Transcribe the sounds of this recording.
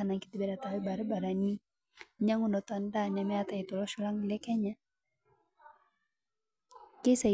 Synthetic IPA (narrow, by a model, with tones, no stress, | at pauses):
ana˨ŋki˦t̪i˦bɛ˨da˨t̪a˨wɛ˦ba˨ɾi˦ba˨ɾa˨ni˦ | ɲa˦ŋu˦ndɔ˨t̪a˨nda˦ɲa˨mɛ˦at̪a˨i˨t̪ɔ˨lɔ˦ʃu˦la˦ŋi˨lɛ˦kɛ˦ɲa˦ | ke˦sa˨